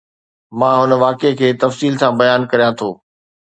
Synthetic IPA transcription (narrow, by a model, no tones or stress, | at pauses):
mãːɦʊnəʋaːkekʰeːt̪ɐfsiːlsãːbɐjaːnkɐɾijãt̪ʰoː